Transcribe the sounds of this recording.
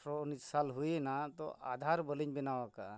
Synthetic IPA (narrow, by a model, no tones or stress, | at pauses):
ɾɔnid͡ʒsalɦujenat̪ɔ̰ʔa̰d̪ʱaɾbəliɲbinawaka̰